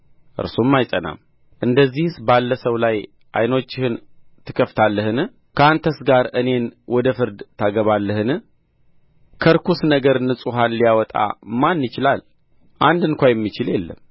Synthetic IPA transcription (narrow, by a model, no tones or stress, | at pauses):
ʔɨ̰ɾsumːajsʼəna̰m | ʔɨnd̪əzːihsbalːəsəwlaj | ʔa̰jno̞t͡ʃːɪhɨnt̪ʰɨ̥kʰəft̪ʰalːəhɨnɨ | kʰəant̪ʰəsɡaɾɨne̞nwɔd̪əfɨɾd̪t̪ʰaɡəβalːəhɨnɨ | kʰəɾkusnəɡəɾɨnɨsʼuɦanlijawɔt̪ʼa̰manːjɪt͡ʃɪlal | ʔand̪ɨŋkʷajɛmːit͡ʃɪljɛlːə̰m